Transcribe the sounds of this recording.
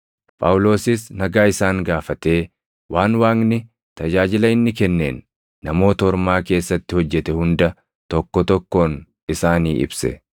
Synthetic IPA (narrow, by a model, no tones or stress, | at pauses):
pʼɐwʊlo̞ːsɪsnɐɡaːɪsaːŋɡaːfɐt̪e̞ː | wʔaːnwaːŋnɪ | t̪ɐd͡ʒaːd͡ʒɪlɐɪnːɪkɛnːe̞̰ːnː | ɐmo̞ːt̪ɐɔɾmaːke̞ːsːɐt̪ːɪhɔd͡ʒːɛt̪ɛhʊnd̪ɐ | t̪ɔkːɔt̪ɔkːo̞ːn | ɪsaːniːʔɪ̰bsɛ̰